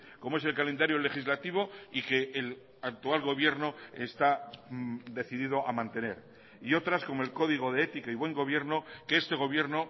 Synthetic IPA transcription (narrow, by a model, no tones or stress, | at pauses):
ko̞moese̞lkale̞nd̪aɾjo̞le̞xizlat̪iβ̞o̞ike̞ːl | ak̚t̪ualɣo̞βje̞ɾno̞e̞st̪a | d̪e̞θiðiðo̞ʔamãnt̪e̞ne̞̰ɾ | io̞t̪ɾasko̞moelko̞ðiɣ̞o̞ðeet̪ikaiβwe̞ŋɡo̞β̞je̞ɾno̞ke̞est̪e̞ɣ̞o̞βje̞ɾno